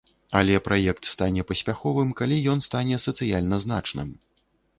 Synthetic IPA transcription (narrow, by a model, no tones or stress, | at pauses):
ɐlʲɛpɾʔajɛkt̪st̪anʲɛpɐsʲpʲaxɔvɨmkalʲijɔnst̪anʲɛsɐt̪sɨjalʲnɐzn̪at͡ʂnɨ̰m